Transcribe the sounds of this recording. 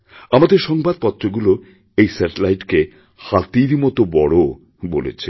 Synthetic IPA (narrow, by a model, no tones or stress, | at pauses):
amad̪eɾʃɔŋbad̪̚pɔt̪ːɾoɡulo | ejsɛʈelajʈke | hat̪iɾmɔt̪obɔɽo | bolḛt͡ɕʰe